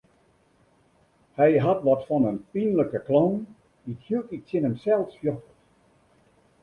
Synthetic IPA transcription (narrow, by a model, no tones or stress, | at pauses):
hɛjɦatʋɔtfɔnənpinləkəklɔŋ | ithjuəkitsjɪnəmsɛlˠsfjɔxtət